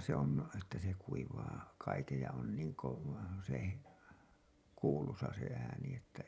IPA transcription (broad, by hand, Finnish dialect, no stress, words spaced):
se on etːæ se kuiʋɑː kɑikej jɑ on niːŋ koʋ se kuːlusɑ se æːni etːæ